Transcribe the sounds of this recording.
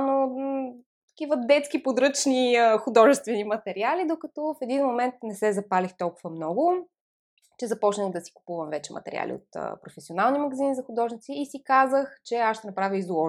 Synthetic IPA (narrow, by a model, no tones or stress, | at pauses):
no | t̪ɐ̥kʲivəd̪ɛt̪skipod̪ɾɤt͡ʃniəxʊd̪ɔʒɛst̪vɛnimɐt̪ɛɾialid̪okɐt̪ɔfɛd̪inmomɛnt̪nɛsɛzɐpalixt̪ɔlˠkʊvəmnɔɡʊ | t͡ʃɛzɐpɔt͡ʃnəxd̪ɐsi̥kʊ̥puvəmvɛt͡ʃɛmɐ̰t̪ɛ̰ɾḭa̰lʲḭo̰t̪ə̰pɾofɛsionalˠnimɐɡɐzinizɐxʊd̪ɔʒnit̪siːsikazəxt͡ʃɛaʃt̪ɛnɐpɾavjəizlˠɔ